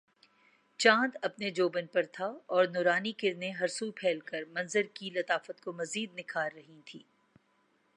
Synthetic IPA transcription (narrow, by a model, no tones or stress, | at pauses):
t͡ʃãːd̪ɐpned͡ʒoːbənpɐɾt̪ʰaɔːɾnʊːɾaːnikɪɾneɦɐɾsupʰɛːlkəɾmɐ̃nzəɾkilɐt̪aːfət̪komɐziːd̪̚nɪkʰaːlɾɐɦĩt̪ʰḭː